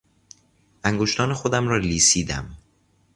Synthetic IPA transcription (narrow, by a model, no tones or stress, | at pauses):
ʔæŋɡoʃt̪ɒːnexod̪æmɾɒːliːsiːd̪æ̰m